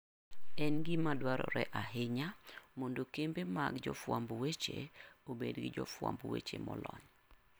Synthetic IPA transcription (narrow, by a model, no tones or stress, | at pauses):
ɛnɡɪmadwaɾɔɾɛʔaɦɪɲamondokembema̰ɡd͡ʒɔfwambwet͡ʃeobedɡɪd͡ʒɔfwa̰mbwet͡ʃemɔlɔɲ